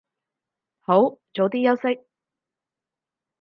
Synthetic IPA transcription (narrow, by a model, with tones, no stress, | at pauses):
ho˨˥wt͡ʃo˨˥wt̪iː˥jɐ˥wsɪ˥k̚